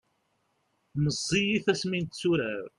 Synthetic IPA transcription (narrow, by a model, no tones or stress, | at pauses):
məzˤːijiθæsmint̪t͡sːuɾæɾ